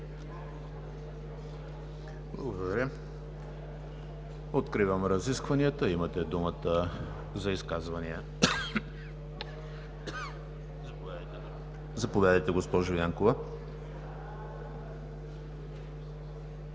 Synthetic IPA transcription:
blˠɐɡod̪ɐɾʲə | ot̪kɾivəmɾɐziskvɐniət̪əimɐt̪ɛd̪umət̪ə | zɐiskazvɐniə | zɐpoad̪əj̪ | zɐpovʲad̪əjt̪ɛɡospɔʒojaŋkovɐ

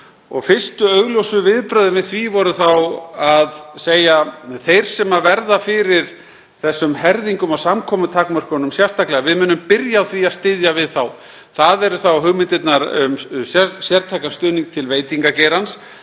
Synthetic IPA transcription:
ɔ̰ɣfɪrst̪ʏœɣljowsʏvɪðpɾœɥðʏvɪðθvivɔɾʏθawaðseːjaθejɾ̥sɛmavɛɾðafɪɾɪɾ̥ | θɛsːʏmhɛɾðiŋkʏmawsamkʰɔːmʏt̪ʰakmœr̥knʏmsjɛrst̪aklɛɣavɪðmʏːnʏmpɪɾjaawθviaðst̪ɪðjavɪðθaw | θaðɛɾʏθawɦʏɣmɪnt̪ɪt̪naɾʏ̰msjɛsjɛɾt̪ʰajkast̪ʏːniŋk̚t̪ʰɪlveːjt̪iŋkaceːɾans

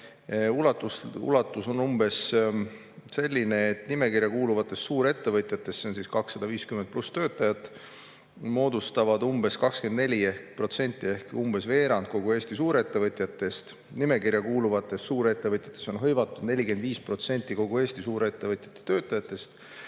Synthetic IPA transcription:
ulɑt̪ːˑusṵlɑt̪ːˑuso̞nːumbe̞s | se̞lʲːine̞ːt̪ːnime̞kiɾjɑkuːluvɑt̪ːˑe̞st̪suːɾe̞t̪ːevɤt̪ʲˑjɑt̪ːˑe̞st̪se̞onsiskɑksːɑd̪̥ɑviːskymen̚plust̪ø̞ːt̪ːˑɑjɑt̪ːˑ | mo̞ːd̪ust̪ɑvɑd̪umb̥e̞skɑkskend̪ne̞lʲiehkpro̞t̪se̞nʲt̪ʲːˑie̞hkumb̥e̞sve̞ːɾɑnd̪̚ko̞ɡ̥ue̞ːsʲt̪isuːɾeet̪ːe̞vɤt̪ʲjɑt̪ːˑe̞st̪ | nime̞kiɾjɑkuːluvɑt̪ːˑe̞st̪suːɾe̞t̪ːˑevɤt̪ʲˑjɑ̥t̪ˑːe̞so̞nɦɤjvɑt̪ːˑud̪ne̞lʲikend̪viːspro̞t̪se̞nʲt̪ːˑiko̞ɡ̥ue̞ːsʲt̪isuːɾee̞t̪ːe̞vɤt̪ʲjɑ̥t̪ːˑe̥t̪ø̞ːt̪ːˑɑjɑt̪ːˑe̞st̪

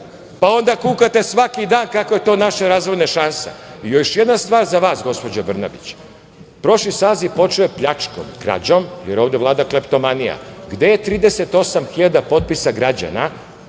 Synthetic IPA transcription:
pao̞nd̪akuːkat̪e̞sʋakid̪aːnkako̞je̞t̪o̞ːnaʃeɾaːzʋo̞jnaʃanseijoʃjed̪nast̪ʋaːɾzaʋaːsɡo̞spo̞d͡ʑobr̩na̰bit͡ɕ | pɾo̞ʃlisaːzipo̞t͡ʃoepʎat͡ʂko̰mkɾa̰d͡ʑomjeɾo̞ːʋd̪e̞lˠaːd̪aklept̪o̞manija̰ɡd̪e̞jet̪ɾiːd̪ese̞t̪o̞samxiʎad̪apo̞t̪̚pisaɡɾad͡ʑa̰na

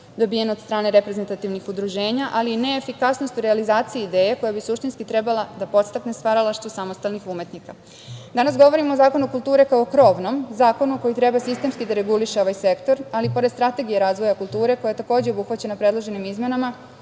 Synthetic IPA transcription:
d̪o̞bijenod̪st̪ɾaːne̞ɾepɾe̞ze̞nt̪at̪iʋnixud̪ɾuʒe̞ːɲaʔaline̞ːfikasnost̪uɾealizaːt̪siiːd̪e̞ːjeko̞jabisuʃt̪inskit̪ɾe̞balad̪apo̞t̪st̪aknest̪ʋaɾalaʃt̪usamost̪alnixume̞t̪nika | d̪anasɡo̞ʋo̞ɾimo̞ːzaːko̞nukulˠt̪uːɾe̞kaokɾo̞ʋno̞mzaːko̞nuko̞jit̪ɾe̞basist̪e̞mskid̪aɾe̞ɡuliʃeo̞ʋajse̞kt̪o̞ɾalipo̞ɾed̪st̪ɾat̪e̞ɡijeɾaːzʋo̞jakulˠt̪uːɾe̞kojajet̪ako̞ːd͡ʑeobuxʋat͡ɕe̞napɾe̞d̪lˠoʒe̞nimizme̞nama

